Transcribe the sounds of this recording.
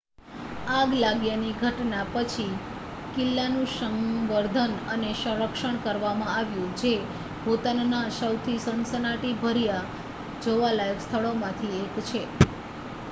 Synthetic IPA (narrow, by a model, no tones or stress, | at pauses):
aɡlaɡjaniɡʱəʈnapət͡ʃʰi | kɪlːanũʃəŋʋəɾd̪ʱənəneʃə̃ɾəkʃəɳ̃kəɾʋamãaʋjũd͡ʒe | bʱot̪ənnasəwt̪ʰisənsənaʈibʱəɾija | d͡ʒoʋalajəʋst̪ʰəɭomãt̪ʰiekt͡ʃʰe